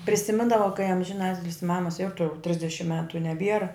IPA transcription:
pʲrʲɪsʲɪˈmʲɪndɐʋɐ kɐɪ ɐmʲʒʲɪˈnɑːtʲɪlʲɪs ˈmɑːmɐs ˈjoːʊtɐʊ ˈtʲrʲɪzʲdʲɛʃʲɪm ˈmʲæːtʊ ɪ nʲɛˈbʲiɛrɐ

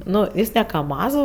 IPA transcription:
ˈnʊ ˈjɪs nʲɛ kɐˈmɑːzuː

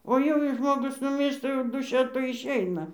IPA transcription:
oː ˈjɛʊ jɛɪ ˈʒmoːɡʊs nʊˈmʲiːrʃtɐ jɛʊ duːˈʃʲɛ ˈtoːj ɪʃʲˈɛɪnɐ

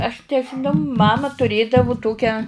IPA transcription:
ɐʃ nʲɛʒʲɪˈnɐʊ ˈmɑːmɐ tʊrʲˈeːdɐʋʊ ˈtoːkʲæː

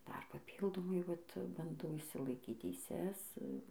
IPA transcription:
ˈdɐr pɐˈpʲiːlˠdoːmɐɪ ˈʋɐt bɐnˈdɐʊ ɪʃʲsʲɪlˠɐˈɪkʲiːt tʲɛɪˈsʲɛs

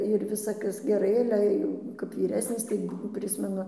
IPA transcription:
ɪr ˈʋʲɪsɐ ˈkɐs ɡʲɛˈrɐɪ ˈɑːlʲɛ jɛʊ kɐp ʋʲiːˈrʲæːsʲnʲɪs ˈtɐɪ ˈpʲrʲɪsʲmʲɛnʊ

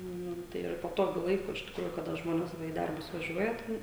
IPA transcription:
ˈnʊ ˈtɐɪ ɪr pɐˈtoːɡʲʊ ˈlˠɐɪkʊ ɪʃ tʲɪkˈruːjʊ kɐˈdɐ ˈʒmoːnʲɛs ˈʋɐ iː ˈdɐrbʊs ʋɐˈʒʲuɔjɛ ˈtʲɛn

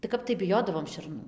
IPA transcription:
tɐɪ ˈkɐp tɐɪ bʲɪˈjoːdɐʋoːm ʃʲɛrˈnuː

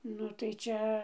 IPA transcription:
ˈnʊ tɐɪ ˈt͡ʃʲɛ

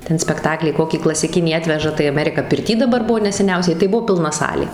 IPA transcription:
ˈtʲɛn sʲpʲɛkˈtɑːklʲiː ˈkoːkʲiː klˠɐsʲɪˈkʲɪnʲiː ˈɑːtʲʋʲɛʒɐ tɐɪ ɐˈmʲæːrʲɪkɐ pʲɪrʲˈtʲiː dɐˈbɐr ˈbʊʋoː nʲɛsʲɛˈnʲɛʊsʲɛɪ tɐɪ ˈbuɔ pʲɪlˠˈnɐ ˈsɑːlʲeː

